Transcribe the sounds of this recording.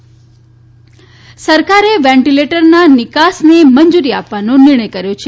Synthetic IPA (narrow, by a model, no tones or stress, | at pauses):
səɾkaɾeʋɛ̃ɳʈileʈəɾnanɪkasneməɲd͡ʒuɾiapʋanõnɪɾɳ̃əjkəɾjot͡ʃʰe